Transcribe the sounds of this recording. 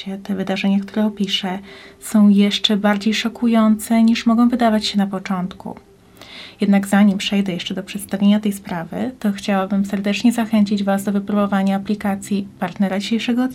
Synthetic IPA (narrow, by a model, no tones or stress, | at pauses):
ɛt̪ɛvɘd̪aʐɛɲakt̪uɾɛɔpʲiʂɛsɔ̃w̃jɛʂt͡ʂɛbaɾd͡ʑejʂɔkujɔnt̪sɛɲiʂmɔɡɔ̃w̃vɘd̪avat͡ɕɕɛnapɔt͡ʂɔnt̪kṵ | jɛd̪naɡzaɲimpʂɛjd̪ɛjɛʂt͡ʂɛd̪ɔpʂɛt̪st̪avʲjeɲat̪ɛjspɾavɘ̰t̪ɔxt͡ɕawabɘmsɛɾd̪ɛt͡ʂɲɛzaxɛɲt͡ɕid͡ʑvazd̪ɔvɘpɾubɔvaɲaːplʲikat̪sʲjipaɾt̪nɛɾad͡ʑiɕejʂɛɡɔ